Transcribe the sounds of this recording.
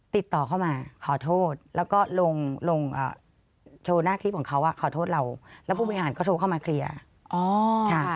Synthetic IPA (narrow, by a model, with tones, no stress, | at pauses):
t̪i˨˩t̪ːɔː˨˩kʰa˥˩wmaː˧kʰɔː˩˦t̪ʰoː˥˩t̪̚lɛː˦˥wkɔː˥˩lo˧ŋlo˧ŋʔa̰ː˨˩ | t͡ɕʰoː˧naː˥˩kʰi˦˥kʰɔ˩˦ŋkʰa˦˥wʔa˨˩kʰɔː˩˦t̪ʰoː˥˩t̪̚ɾa˧wlɛ˦˥pʰu˥˩ɔː˧ɦaː˩˦nkɔː˥˩tʰoː˧kʰa˥˩maː˧kʰɾi˧ɐ | ʔɔː˧˩kʰa˥˩